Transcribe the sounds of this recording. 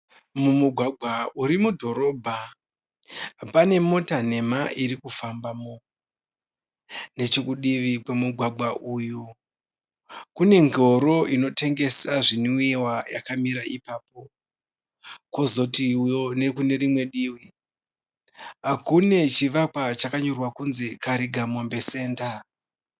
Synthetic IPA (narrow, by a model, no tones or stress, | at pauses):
mumuɡʱwaɡʱwauɾimudʱo̞ɾo̞ːbʱa | pane̞mo̞tane̞maʔiɾikufambamo | ne̞t͡ʃekuɗiʋikwemuɡʱwaɡʱwaʔuːju | kune̞ŋɡo̞ɾo̞ʔino̞tʰe̞ŋɡe̞saʐiniewajakamiɾaʔipaːp̚o̞ | ko̞zo̞tijone̞kune̞ɾimwe̞ɗiwi | ɦakune̞t͡ʃiʋakwat͡ʃakaɲorwakunzikaɾiɡʱamombe̞se̞ːnda